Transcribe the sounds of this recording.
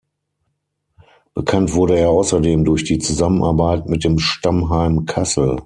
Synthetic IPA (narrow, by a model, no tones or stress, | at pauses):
b̥əkʰantv̥ʊɐɾəeːɐaʊsɐdeːmdʊɐçd̥iːt͡suzamənʔaɐbaɪtmɪt̚d̥eːmʃtamɦaɪmkʰasl̩